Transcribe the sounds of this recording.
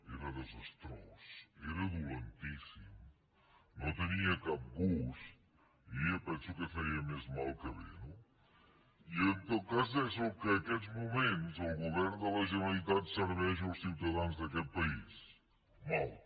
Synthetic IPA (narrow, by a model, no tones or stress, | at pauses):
ɛɾɐðəzɐst̪ɾɔseɾɐðulent̪isim | nõt̪əniɐkap̚ɡust̪ | iiɐpɛnsukəfɛiɐmɛzmalˠkəβḛnu | ient̪okazðɛsokəɐkɛʎzmumẽnt̪zəlˠɣuβɛɾnd̪əlɐʒənɐlit̪at̪səɾβɛʒɐwsiwt̪ɐðanzðɐkɛt̪̚pɐis | malˠ